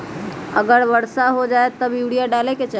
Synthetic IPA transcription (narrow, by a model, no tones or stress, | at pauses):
əɡəɾbəɽsaɦod͡ʒaet̪ːəbɪɽijaɖaleket͡ʃa